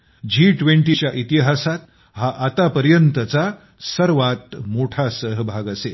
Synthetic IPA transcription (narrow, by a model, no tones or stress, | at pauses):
d͡ʑiʈʋeɳʈit͡ɕjaʔit̪iɦasat̪ | ɦaʔat̪apəɾjənt̪ət͡sa | səɾʋat̪moʈʰasəɦbʱaɡəse